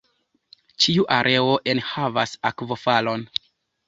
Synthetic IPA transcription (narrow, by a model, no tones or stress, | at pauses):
t͡ʃiuʔaɾʔe̞o̞ʔe̞nhava̰sakvo̞falo̞n